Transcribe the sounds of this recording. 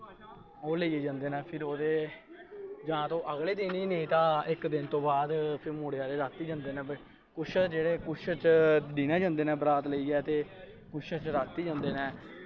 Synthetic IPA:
oːləieːd͡ʒãːnd̪eːnɛ̃ːpʰɪɾoːd̪eː | d͡ʒãːt̪õːʔəɣleːd̪ɪniːneiːt̪ãːɪkd̪ɪnt̪õːbaːd̪pʰɪɾmoːɽeaːɾeːɾaːt̪ːiːd͡ʒãːnd̪eːnɛ̃ːb | kʊʃʰd͡ʒeːɽeːkʊʃʰət͡ʃd̪iːnãːd͡ʒãːnd̪eːnɛ̃ːbəɾaːt̪ləiːɛːt̪eː | kʊʃʰət͡ʃɾaːt̪ːiːd͡ʒãːnd̪eːnɛ̃ː

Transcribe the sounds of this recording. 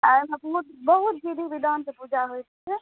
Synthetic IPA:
amãpuut̪bəɦut̪̚d͡ʒid̪ʱibid̪ʱansepud͡ʒaɦojt̪iɛ

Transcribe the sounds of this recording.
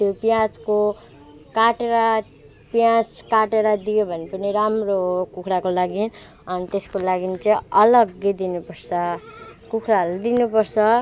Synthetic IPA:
t̪jopjãt͡sko | kaʈeɾʌ | pjãd͡zkaʈeɾʌd̪ijebʱʌnepʌniɾamrokukʰɾakolaɡin | ʌnit̪eskolaɡint͡sʌ̃ʌlʌɡjed̪inupʌrsʰʌkukʰɾaɦld̪inupʌrsʰʌ

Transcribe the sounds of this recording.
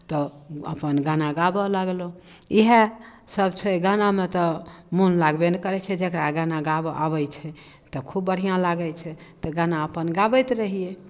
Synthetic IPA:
t̪ɔə̰pənɡanaɡabəlaɡloiɦe | səbt͡ʃʰɛɡanamet̪ɔmunlaɡbenekəɾɛt͡ʃʰɛd͡ʒekɾaɡanaɡabəʔabəjt͡ʃʰɛ | t̪ɔkʰubːəɽ̤ijãlaɡət͡ʃʰɛt̪ɔɡanaəpənɡabəjt̪ɾəɦije

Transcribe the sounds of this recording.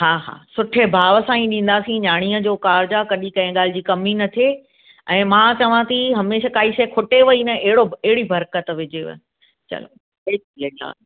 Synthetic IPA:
ɦaːɦa̰ːsʊʈʰebʱaːʋəsãĩɗĩːn̆d̪aːsĩɲaːɽ̃iːəd͡ʑoːkaːɾd͡ʑakɐɗĩkɐ̃ɦɪ̃ɠaːl̤ɪd͡ʑiːkɐminɐt̪ʰe | ɛ̃ːmãːt͡ɕɐʋãt̪ʰiɦɐmeːʃakaːiʃɐːkʰʊʈeʋɐinɐʔɪɦɪɽoɪɦɪɽibʱɐɾkət̪ʋɪd͡ʑeʋ̰ | t͡ɕɐ̰lo̰ | e | iɐa̰ː

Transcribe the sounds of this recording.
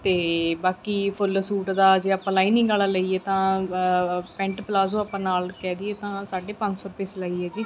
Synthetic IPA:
t̪eːbaːkiːpʰʊlsuːʈd̪aːd͡ʒeːaːpãːlaːiːnĩːɡaːlaːləiːɛːt̪ãː | pɛ̃ɳʈplaːsõːaːpãːnaːlkɛːd̪iːeːt̪ãːsaːɖeːpə̃ɲd͡ʒsɔːɾʊpeːslaːiːɛːd͡ʒiː

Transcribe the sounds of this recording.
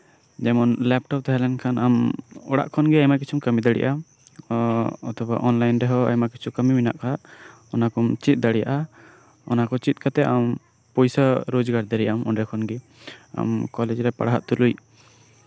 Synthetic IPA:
d͡ʒɛmɔnlɛp̚ʈɔp̚t̪aɦɛlɛnkʰanʔamɔɽa̰ʔkʰɔnɡɛajmakit͡ʃʰumkəmid̪aɽḭʔa | ɔt̪ʰɔba̰ʔɔnlajnɾɛɦɔa̰jmakit͡ʃʰukəmimina̰ʔkaʔ | ɔnakɔmt͡ʃit̪̚ˀd̪aɽija̰ʔa | ɔ̰nakɔt͡ʃit̪̚ˀkʰat̪ɛʔam | pɔjsaɾod͡ʒɡaɾd̪ɛɾɛjamɔɳɖɛkʰɔnɡɛ | a̰mkɔlɛd͡ʒɾɛpa̰ɽaɦa̰ʔt̪uluj

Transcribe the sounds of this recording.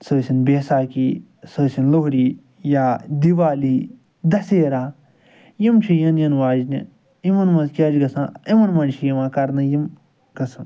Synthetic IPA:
səːsʲinbeːsaːkiː | səːsinloɦɾiː | jaːd̪iʋaːliː | d̪ɐseːɾaː | jimt͡ʃʰijɐnjɐnʋaːd͡ʒnḭ | imɐnmɐnzkʲaːd͡ʒɡɐsãːimɐnmɐnt͡ʃʰijimãːkɐɾnɐjim | ɡɐsʰɐn

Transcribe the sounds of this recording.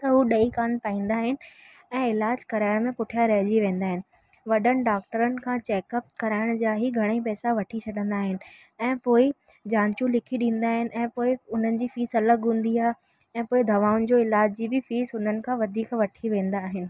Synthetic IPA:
t̪ɐɦuɗɐikaːnpaːĩːn̆d̪aːɦɪnɪ̆ | ɛ̃ːɪlaːd͡ʑkɐɾaːɪɽ̃mẽpʊʈʰjaɾɐɦd͡ʑiʋẽːnd̪aːɦɪnɪ̆ | ʋɐɗəñɪ̆ɖaːk̚ʈəɾənɪ̆kʰãːt͡ɕɛːkəp̚kɐɾaːɪɽ̃d͡ʑaːɦiɡʱɐɽ̃eipɛːsaʋɐʈʰit͡ɕʰɐɗə̃nd̪aːɦɪnɪ̆ | ɛ̃ːpoːɪ | d͡ʑãːɲt͡ɕũlɪkʰiɗĩːnd̪aːɦɪnɪ̆ʔɛ̃ːpoːɪʊn̤ənɪ̆d͡ʑiːfiːsɐləɡɦũːn̆d̪iaːɦ | ɛ̃ːpoːɪd̪ʱɐʋaːʊn̆d͡ʑoːɪlaːd͡ʑd͡ʑiːbɪfiːsʊn̤ənɪ̆kʰãːʋɐd̪ʱiːkʋɐʈʰiʋẽːn̆d̪aːɦɪnɪ̆

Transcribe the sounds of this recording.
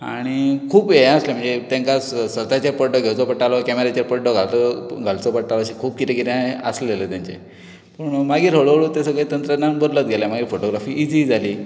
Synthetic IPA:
aɽ̃ikʰuːpejəslem̤əɳd͡zet̪ẽŋkassʋət̪at͡ɕəɾpəɖɔɡʱewt͡sɔpəʈalɔkɛmeɾet͡ɕəɾpəɖɔɡʱalt͡sɔɡʱalt͡sɔpəʈalɔɕikʰuːp̚kit̪ɛ̃kit̪ãəsllelət̪jãɲt͡ɕḛ | pəɳmaɡiːɾɦoɭoɭut̪esəɡɭet̪ənt̪ɾənanbʱəɾlət̪̚ɡʱelamaɡiːfoʈoɡɾafiːʔːd͡zid͡zʱaliː

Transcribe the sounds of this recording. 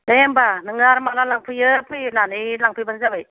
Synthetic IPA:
nembanɯŋaɾmalalaŋpʰɯjɯpʰɯjnanɯjlaŋpʰɯjbanzabaj

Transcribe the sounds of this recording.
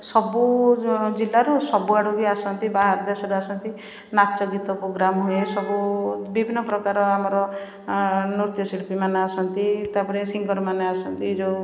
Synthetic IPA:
sɔbud͡ʒilːaɾusɔbuaɽuɡiasɔnt̪ibaɦaɾd̪esɔɾuasɔnt̪i | natt͡ʃɔɡit̪ɔpɾoɡɾamɦuesɔbubibʱinːɔpɾɔkaɾɔamɔɾɔ | nuɾt̪jɔsilpimaneasɔnt̪it̪apɔɾesiŋɡɔɾɔmaneasɔnt̪iːɾo

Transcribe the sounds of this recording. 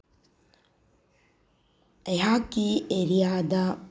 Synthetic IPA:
eɦakieɾijaːd̪a

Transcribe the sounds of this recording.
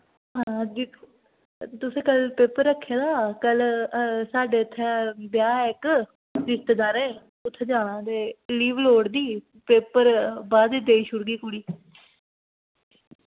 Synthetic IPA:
ɦãːd̪ɪkʰː | t̪ʊsẽːkəlpeːpəɾːəkʰːeːd̪aːkəlsaːɖeːt̪ʰːebjaːɪk | d̪ɪst̪əd̪aːɾẽː | ʊt̪ʰːeːd͡ʒaːɽ̃ãːt̪eːliːʋloːɽd̪iː | peːpəɾbaːd̪iːd̪eːiːʃʊɾɡiːkʊɽiː

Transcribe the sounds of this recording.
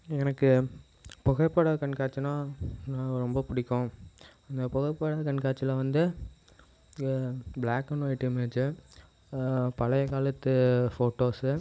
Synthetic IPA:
ɛnɐkːɯ | pɔɣɐpːɐːɽakɐɳkaːt͡ʃːɯnãːnãːɾɔmbɐpʊɽɪkːʊ̃ɐnd̪ɐpɔɣɐpːɐɽakɐɳkaːt͡ʃːɪlɐʋɐnd̪ɯ | blaːkːɐnoːɪʈːɪmeːt͡ʃːɯ | pɐlɐjɐkaːlɐt̪ːɯfoːʈːoːsɯ

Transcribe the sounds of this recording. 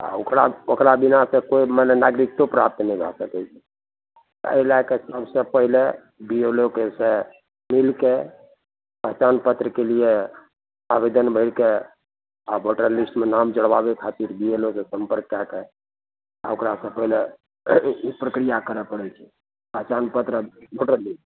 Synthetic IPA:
a̰okɾaokɾabinasə̃koimənnaɡɾik̚t̪opɾap̚t̪nɛĩbʱa̰səkɛt͡ʃʰɛ̥ | t̪ə̰ilakesəbsə̃pəɦile | bielokesẽ | milke | pəɦt͡ʃanpət̪ɾəkelije | abed̪ənbʱəɪɽke | abʱoʈəɾlisʈmenamd͡ʒəɽʋabekʰat̪iɾbielosẽsəmpəɾkːake | a̰okɾasə̃pəɦile | pɾəkɾijakəɾɛpəɽɛt͡ʃʰɛ̥ | pəɦt͡ʃanpət̪ɾəboʈəɾlis

